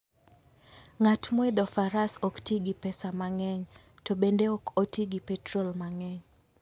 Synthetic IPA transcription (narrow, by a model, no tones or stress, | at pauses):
ŋatmɔɪd̪ɔfaɾasɔktiɡipɛsamaŋɛŋ | tobendeɔkotiɡipɛtɾɔlmaŋɛŋ